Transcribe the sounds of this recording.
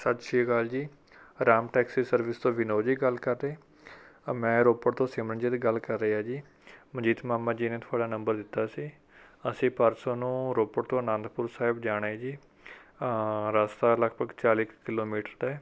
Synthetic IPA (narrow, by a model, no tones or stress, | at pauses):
sət̪ʃiːɡəld͡ʒiː | ɾaːmʈɛːksiːsəɾʋɪst̪õːʋɪnoːd͡ʒiːɡəlkəɾd̪eː | mɛ̃ːɾoːpəɽt̪õːsɪːmɾənd͡ʒeːd̪ɡəlkəɾːəeːaːd͡ʒiː | məd͡ʒiːt̪maːmːãːd͡ʒiːnẽːt̪ʰʊaːɖaːnəmbəɾd̪ɪt̪ːaːsiː | əsĩːpəɾsõːnũːɾoːpəɽt̪õːnãːnd̪pʊɾsaːɦɪbd͡ʒaːɽaːiːd͡ʒiː | ɾaːst̪aːləɡbəɡt͡ʃaːlɪkkɪloːmiːʈəɾd̪aɛː